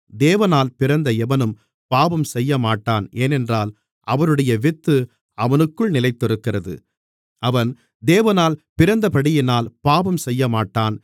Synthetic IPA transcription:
d̪eːʋɐnaːlpɪɾɐnd̪ɐɛʋɐnɯm | paːbɐmsɛjːɐmaːʈːaːneːnɛndraːl | ʔɐʋɐɾɯɽɐjɐʋɪt̪ːɯ | ɐʋɐnɯkːɯɭnɪlɐɪt̪ːɔɾɯkːɪrɐðɯ̰ | ʔɐʋɐn | d̪eːʋɐnaːlpɪɾɐnd̪ɐpɐɽɪjɪnaːlpaːbɐmsɛjːɐmaːʈːaːn

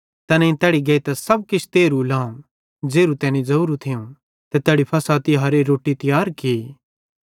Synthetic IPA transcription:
t̪ɛːnɛ̃ĩt̪ɛːɽiɡɐit̪ɛsɐb̚kɪt͡ʃʰt̪eːɾulaːm | d͡ʒeːɾut̪ɛːnĩd͡zɐuːɾut̪ʰɪũ | t̪ɛt̪ɛːɽipʰɐsaːt̪iɦɐɾeɾoːʈit̪ɪjaːɾke

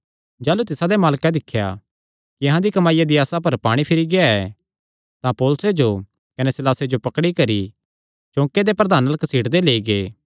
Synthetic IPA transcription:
d͡ʒaːlut̪ɪsad̪emaːlkad̪ɪkʰːja̰ | kijɐɦãd̪ikɐmaːɪjad̪iaːsapɐɾpaːɽ̃ipʰɪɾiɡɪaɛ | t̪ãpɔːlʊsed͡ʒo | kɐnɛsɪlaːsed͡ʒopɐkɽikɐɾi | t͡ʃõːked̪epɾɐd̪aːnɐləksiːɽd̪eleːiɡeː

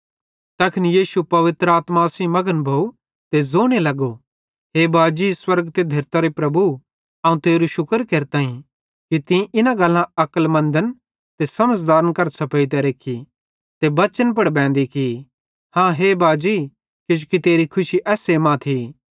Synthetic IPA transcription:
t̪ɐːkʰɪnijiːsupɐʋɪt̪ɾəaːt̪masĩmɐɡənbʱoːu | t̪ezoːɽ̃elɐɡo | ɦeːbʱaːd͡ʒiswɐɾɡt̪ed̪ʱɐɾt̪aɾepɾɐbu | ɐ̃ːũt̪eːɾuʃʊkəɾkeːɾt̪ãːĩ | kit̪ɪ̃ʔɪnãɡɐlːãɐkəlmɐ̃nd̪ən | t̪esɐməd͡ʒd̪aːɾənkɐɾsʰɐpeit̪̬ɛɾeːkʰi | t̪ebɐt͡ʃənp̬ɐɽbɛ̃ːnd̪iki | hãːɦeːbaːd͡ʒi | kɪd͡ʒukit̪eːɾikʰʊʃiʔɛːseːmãt̪ʰiː

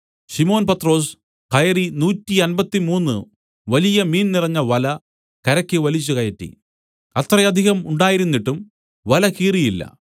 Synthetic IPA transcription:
ɕimo̞ːnpɐt̪ro̞ːs | kɐjɐrinuːtːiɐnbɐt̪ːimuːnːɨ | ʋɐlijɐmiːnnirɐɲːɐʋɐlɐ | kɐɾɐkʲːɨʋɐlit͡ɕːukɐjɐʈːḭ | ɐt̪rɐjɐd̪ʱiɣɐmuɳɖaːjiɾunːiʈːum | ʋɐlɐkiːrijilːɐ̰

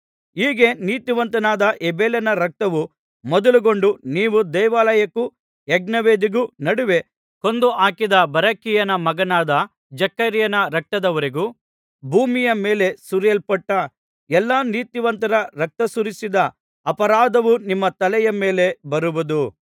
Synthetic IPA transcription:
iːɡe̞niːt̪iʋɐnt̪ɐnaːd̪ɐʔebeːlɐnɐɾɐk̚t̪ɐʋu | mɔd̪ɐluɡo̞ɳɖuniːʋud̪ɐjʋaːlɐjɐkːu | ɛɡnɐʋeːd̪iɡunɐɽuʋe | ko̞nd̪uʔaːkid̪ɐbɐɾɐkːijɐnɐmɐɡɐnaːd̪ɐ | d͡ʒɐkːɐɾjɐnɐɾɐk̚t̪ɐd̪ɐʋɐɾiɡu | bʱuːmijɐmeːle̞suɾjɐlpɐʈːɐ | ɛlːaːniːt̪iʋɐnt̪ɐɾɐɾɐk̚t̪ɐsuɾisid̪ɐ | ɐpɐɾaːd̪ɐʋunimːɐt̪ɐlɛjɐmeːle̞bɐɾuʋud̪u

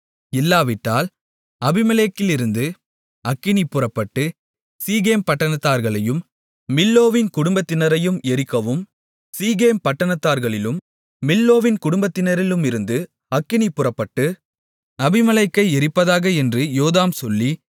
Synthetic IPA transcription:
ɪlːaːʋɪʈːaːl | ɐbɪmɐleːkːɪlɪɾɯnd̪ɯ | ʔɐkːɪnipːʊrɐpːɐʈːɯ | siːɣeːmpɐʈːɐɳɐt̪ːaːɾɣɐɭɐjɯmː | ɪlːoːʋɪnkʊɽʊmbɐt̪ːɪnɐɾɐjɯmɛɾɪkːɐʋɯm | siːɣeːmpɐʈːɐɳɐt̪ːaːɾɣɐɭɪlɯmː | ɪlːoːʋɪnkʊɽʊmbɐt̪ːɪnɐɾɪlɯmɪɾɯnd̪ɯ | ɐkːɪnipːʊrɐpːɐʈːɯ | ɐbɪmɐlɐɪkːɐɪɛɾɪpːɐðaːɣɐɛndrɯjoːðaːmsɔlːi

